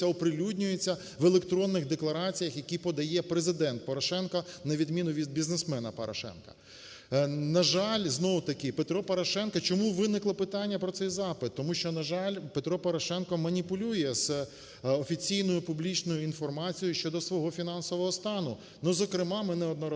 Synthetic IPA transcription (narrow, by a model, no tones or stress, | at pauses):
ɐɔpɾɪlʲudʲnʲʊjet͡sʲːɐ | ʋelˠekt̪ɾɔnːɪxd̪eklˠɐɾɑt͡sʲijɐxjɐkʲipɔd̪ɐjɛpɾezɪd̪ɛnt̪̚pɔɾɔʃɛnkɐnɐʋʲid̪mʲinʊʋʲid̪̚bʲiznesmɛnɐpɔɾɔ̰ʃɛ̰nkɐ̥̰ | nɐʒɑlʲznɔʋʊt̪ɐkɪpet̪ɾɔpɔɾɔʃɛnkɐt͡ʃɔmuʋɪnɪklˠɐpɪt̪ɑnʲːɐpɾɔtsɛjzɑpɪt̪ːɔmuʃt͡ʃɔnɐʒɑlʲpet̪ɾɔpɔɾɔʃɛnkɔmɐnʲipʊlʲujɛz | ɔfʲit͡sʲijnɔjʊpʊblʲit͡ʃnɔjʊinfɔrmɑt͡sʲijʊʃt͡ʃɔd̪ɔsʋɔɦɔfʲin̪ɑnsɔʋɔɦɔst̪ɑnʊ | nuzɔkɾɪmɑmɪnɛɔd̪nɔɾ